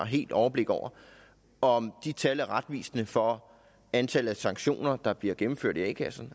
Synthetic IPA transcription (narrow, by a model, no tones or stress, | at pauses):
ɦe̝̰ːld̥ɒʊɐb̥le̝ɡ̥əɒ̰ʊɐ | ɒ̽md̥it͡sʰælæʁad̥ʋḭːsnəfɒ̽ | ænt͡sʰælð̩ˠæsɑ̈ŋɡ̥ɕo̝̰ːnɐd̥ɑ̈b̥liɐɡ̥emm̩føɐ̰d̥iɛ̰kʰæsn̩